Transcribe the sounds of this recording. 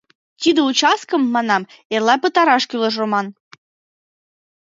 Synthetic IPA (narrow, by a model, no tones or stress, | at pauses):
t̪ʲid̪əut͡ɕɑs̚kə̆mːɑnɑm | elɑpət̪ɑɾɑʃkylə̆ʒomɑn